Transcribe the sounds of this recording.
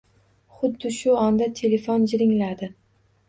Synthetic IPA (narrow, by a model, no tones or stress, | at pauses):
χʊd̪ːɪʃʊɒnd̪at̪ʰe̞le̞fond͡ʒɪɾɪŋlad̪ɪ